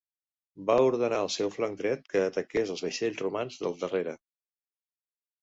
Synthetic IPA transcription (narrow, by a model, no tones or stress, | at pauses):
bauɾðənaəlˠsɛwflaŋd̪ɾɛt̪̚kəːt̪əkezəlˠzβəʃeʎzrumanzðəlˠd̪əreɾə